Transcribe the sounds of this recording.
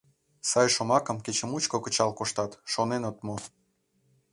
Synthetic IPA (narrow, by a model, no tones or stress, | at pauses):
sɑjʃomɑkə̆mket͡ɕə̆mut͡ɕkokət͡ɕɑlkoʃt̪ɑt̪ʃonenot̪mo